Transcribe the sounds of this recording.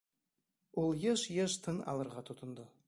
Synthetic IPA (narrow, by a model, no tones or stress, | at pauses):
olˠjəʃjeʒt̪ʰənɑ̰lˠɤɾʁɑt̪ʰʊt̪ə̆nd̪ə